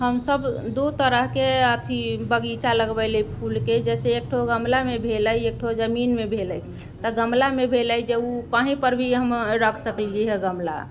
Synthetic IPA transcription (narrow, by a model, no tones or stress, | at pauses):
ɦəmsəbd̪ut̪əɾəɦkeət̪ʰibəɡit͡ʃaləɡbəɪlepʰulked͡ʒɛseːk̚ʈʰoɡəmlamebʱeləjek̚ʈʰod͡ʒəminmebʱeləj | t̪əɡəmlamebʱeləjd͡ʒeukəɦĩpəɾbʱiɦəmɾəkʰsəkljiɦɛɡəmla̰